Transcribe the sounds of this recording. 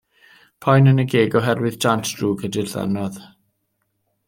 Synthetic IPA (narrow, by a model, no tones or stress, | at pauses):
pʰɔjnənəɡeːɡɔɦɛrwɨðd͡ʒantʰd̥ruːɡədɪrθa̰nɔð